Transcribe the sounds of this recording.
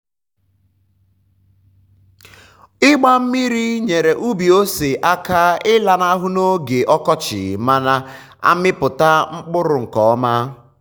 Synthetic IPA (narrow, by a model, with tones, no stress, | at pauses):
ɪ˦ɡ͡ba˦m̩˦mi˦ɾi˦ɲe˨ɾe˨ʔu˦bi˨o˦se˨ʔa˦ka˦ɪ˦la˨na˦ɦʊ˦no˦ɡe˨ʔɔ˦kɔ˦t͡ʃɪ̰˨ma˦na˦ | a̰˦mɪ˦pʊ˨ta˦ŋ͡m̩˦k͡pʊ˦ɾʊ˨ŋ̩˨kɔ˨ɔ˦ma˦